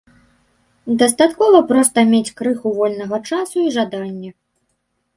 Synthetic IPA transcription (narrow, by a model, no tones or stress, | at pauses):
d̪ɐst̪at̪kɔvɐpɾɔst̪ɐmʲet͡sʲkɾɨxuvɔlʲnɐɣɐt͡ʂasuiʐad̪anʲːɛ